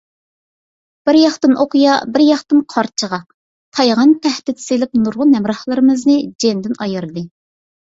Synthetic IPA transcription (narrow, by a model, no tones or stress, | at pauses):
b̥ɪɾjɑχt̪ɨnʔoqujɑbɪɾjɑχt̪ɨnqʰɑɾt͡ʃʰəʁɑ | t̪ʰɑjʁɑnt̪ʰɛhd̪ɪt̪silˠɪk̚nuɾʁʊnɛmɾɑhlˠɨɾɨmɨznɨd͡ʒend̪ɪnɑjɨɾɨd̪ɨ